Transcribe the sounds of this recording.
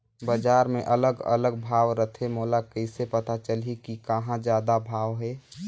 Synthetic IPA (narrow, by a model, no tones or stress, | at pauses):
bəd͡ʒaːɾmẽʔələɡə̰ləɡ̚bʱaːʋɾət̪ʰemoːlakəɪsepət̪at͡ʃəlikikəɦãd͡ʒjaːd̪abʱaːʋɦɛ